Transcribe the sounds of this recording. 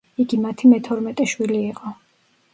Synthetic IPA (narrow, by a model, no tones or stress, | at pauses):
iɡimat̪ʰimɛt̪ʰɔɾmɛt̪ʼɛʃwiliːqʼɔ